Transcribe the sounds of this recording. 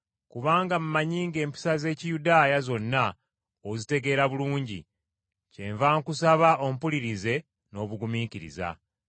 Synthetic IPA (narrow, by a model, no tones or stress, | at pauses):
kuβaːŋɡamumaɲiːŋɡe̞ːmpi̥saze̞ːcijudaːjazo̞nːa | ozite̞ɡe̞ːɾaβuluːɲɟḭ | ce̞ɱvaːŋkusaβaʔo̞m̩puliɾize̞ | no̞ːβuɡumiːkiɾḭza̰